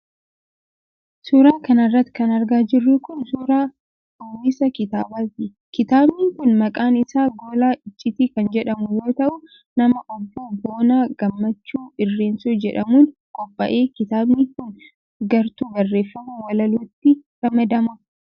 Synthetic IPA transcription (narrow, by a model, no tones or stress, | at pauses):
suːɾaːkɐnɐrːɐt̪ːkɐnɐɾɡaːd͡ʒɪrːʊkʊnsuːɾaː | ʊwɪsɐkɪt̪aːbat̪ɪ | kɪt̪aːbniːŋkʊnmɐkʼaːnɪsaːɡo̞ːlaːʔɪt͡ʃʼːɪt̪iːkɐnd͡ʒɛᶑɐmʊjo̞ːt̪ɐʔʊ | nɐmɐʔɔbːuːbo̞ːnaːɡ̥ɐmːɐt͡ʃːuːɪrːe̞ːnsuːd͡ʒɛᶑɐmuːnkʼɔpʼːɐ̰ʔe̞ːkɪt̪aːbniːŋkʊn | ɡɐɾt̪uːɡɐrːe̞ːfːɐmuːwɐlɐlut̪ːɪɾɐmɐd̪ɐmʊ